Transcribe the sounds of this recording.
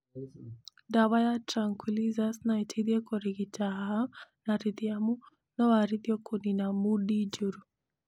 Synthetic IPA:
daβajatɾaŋkʰwilizasnaitʰiðjɛkɔɾiɡitaɦanaɾiðiamu | nɔwaɾiðjɔkoninamuɗid͡ʒuɾu

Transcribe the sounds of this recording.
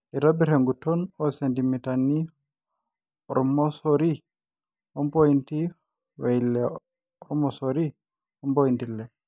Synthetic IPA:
iɾabiɾeŋɡutɔnɔsentimitanːi | ɔɾmɔsoɾi | ɔnpojinti | wajilːɛ | ɔɾmɔsoɾi | ɔnpojintilːɛ

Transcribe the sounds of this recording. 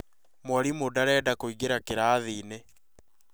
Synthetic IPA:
mwɔɾimodaɾɛːdakoiɣeɾakeɾaːðiːne

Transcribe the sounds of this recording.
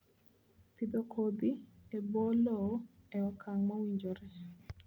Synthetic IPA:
t̪id̪okʰod̪iebolɔɛɔkʰaŋmawiɲd͡ʒɔɾɛ

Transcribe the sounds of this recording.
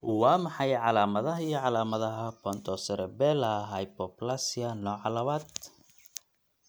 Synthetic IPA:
wɑːmɑħɑjʕɑlaːmɐðɐɦɐijɔʕɑlaːmɐðɐɦɐpʰɔnt̪ʰɔsɛɾɛbɛːlɐɦɐjpʰɔplasiɐnɔːʕɑlɐβaːd̪̚

